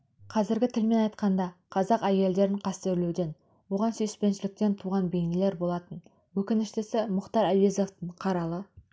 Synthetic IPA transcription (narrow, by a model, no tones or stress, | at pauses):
qʰɑzɪɾɡʲɪt̪ʰɪlme̞nɑjt̪qɑnd̪ɑqʰɑzɑqæje̞ld̪e̞ɾɪɴqʰɑst̪e̞ɾlewd̪e̞n | wo̞ʁɑnsɵspe̞nʃɪlɪk̚t̪e̞nt̪ʰuʁɑnbejŋɪle̞ɾbo̞lˠɑt̪ən | wɵkʲɪnɪʃt̪ɪsɪmʊqt̪ɑɾæbezo̞ft̪əɴqʰɑɾɑlˠə